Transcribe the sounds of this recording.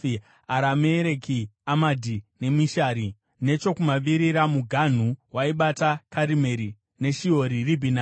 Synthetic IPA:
aɾameɾekiamadʱine̞miʃaɾi | ne̞t͡ʃo̞kumaʋiɾiɾamuɡʱan̤uwaiɓatakaɾime̞ɾi | ne̞ʃio̞ɾiribʱina

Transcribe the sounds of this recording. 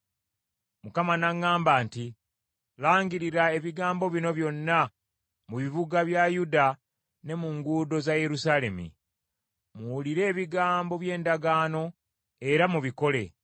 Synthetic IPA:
mukamanaŋːaːmbaːnti | laːŋɡiɾiɾae̞βiɡaːmbo̞βino̞βjo̞nːa | muβiβuɡaβjajuda | ne̞muŋɡuːdo̞zaje̞ɾusaːle̞mḭ | muwːliɾe̞ːβiɡaːmbo̞βje̞ːndaɡaːno̞ | e̞ɾamuβiko̞le̞

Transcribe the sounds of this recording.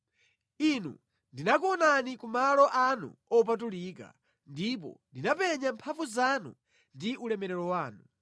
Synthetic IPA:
inṵ | ndinak̬uɔnanikumalɔʔanṵɔp̬atulika̰ | ndip̬ɔ̰ndinapɛɲampʰavuzanṵ | ndiʔulɛmɛɾɛɾɔwaːnu

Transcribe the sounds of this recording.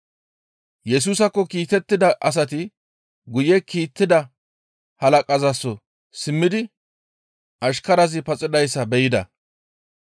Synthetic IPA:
jɛs̬uːsɐkːɔkiːt̪ɛt̪ːɪd̪ɐʔɐs̬ɐt̪ɪ | ɡʊjɛkiːt̪ːɪd̪ɐ | hɐlɐkʼɐzɐsːɔ | sɪmːɪd̪ɪ | ʔɐʃkɐɾɐzɪpɐt͡sʼɪd̪ɐjsːɐbɛjɪd̪ɐ̰

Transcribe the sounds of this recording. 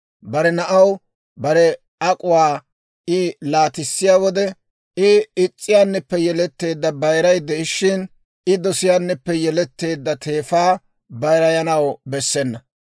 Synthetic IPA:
bɐɾɛnɐʔɐw | bɐɾɛ | ɐkʼʊwaː | ɪlaːt̪ɪsːɪjaːwɔd̪ɛ | ɪɪt͡sʼːɪjaːnːɛpːɛjɛlɛt̪ːe̞ːd̪ːɐbɐjɾɐjd̪ːɛɪʃːɪn | ɪd̪ɔsɪjaːnːɛpːɛjɛlɛt̪ːe̞ːd̪ːɐt̪ʰe̞ːfaː | bɐjɾɐjɐnɐwbɛsːɛnːɐ

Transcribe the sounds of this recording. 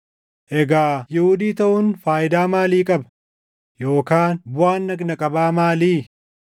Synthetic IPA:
ʔɛɡaːjɛhʊd̪iːt̪ɐʔʊnfaːjɪd̪aːmaːliːkʼɐb | joːkaːnbʊaːnːɐɡnɐkʼɐbaːmaːliː

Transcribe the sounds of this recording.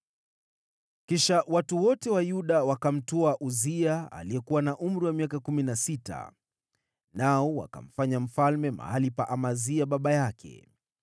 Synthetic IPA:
kiʃawatuwɔtɛwajuɗawakam̩tɔaʔuziaa̰liɛkuwanaʔum̩ɾiwamiakakuminasita̰ | naɔwa̰ka̰m̩faɲam̩falmɛma̰halipaʔamaziaɓaɓajakʰɛ̰

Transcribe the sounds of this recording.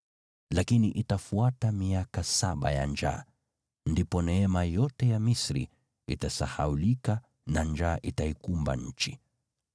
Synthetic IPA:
lakiniʔitafuatamiakasaɓa̰ja̰nd͡ʒa̰ː | ndipɔnɛɛmajɔtɛjamisɾḭ | itasahaulika | nand͡ʒaːʔitaikumba̰ɲ̩t͡ʃi

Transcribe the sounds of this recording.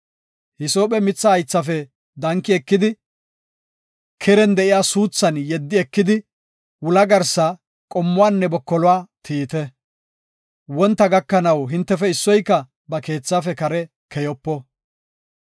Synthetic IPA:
hɪso̞ːpʼɛmɪt͡sːɐɐjt͡sːɐfɛ | d̪ɐŋkːɪɛkːɪd̪ɪ | kʰɛɾɛnd̪ɛʔɪjaːsuːt͡sːɐnjɛd̪ːɪɛkːɪd̪ɪ | wʊlɐɡɐɾsɐ | kʼɔmːʊwaːnːɛbɔkːɔlʊwaːt̪ʰiːt̪ɛ | wɔnt̪ːɐɡɐkːɐnɐwɦɪnt̪ːɛfɛɪsːɔjkːɐ | bɐke̞ːt͡sːaːfɛkɐɾɛ | kʰɛjɔpːɔ

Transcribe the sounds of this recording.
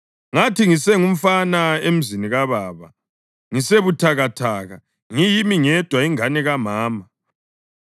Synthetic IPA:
ŋatʰiŋisɛŋum̩fanaem̩ziniɣaβaːβa̰ | ŋiseβutʰaɣatʰaːɣa | ŋijimiŋɛd̥ʱwaiŋanɛɣamaːma

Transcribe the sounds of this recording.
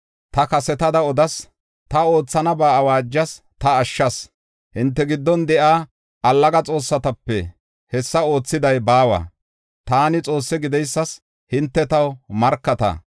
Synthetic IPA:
t̪ɐkɐsɛt̪ɐd̪ɐɔd̪ɐs | t̪ɐo̞ːt͡sːɐnɐbaːɐwaːd͡ʒːɐs | t̪ɐːʃːɐs | hɪnt̪ːɛɡɪd̪ːɔnd̪ɛʔaː | ʔɐlːɐɡɐt͡sʼo̞ːsːɐt̪ɐpːɛ̰ | hɛsːɐo̞ːt͡sːɪd̪ɐjbaːwɐ̰ | t̪aːnɪt͡sʼo̞ːsːɛɡɪd̪ɛjsːɐs | hɪnt̪ːɛt̪ɐwmɐɾkːɐt̪ɐ̰

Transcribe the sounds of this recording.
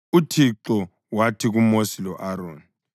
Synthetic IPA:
utʰiǁɔ | watʰiɣumosilɔʔaɾoːni

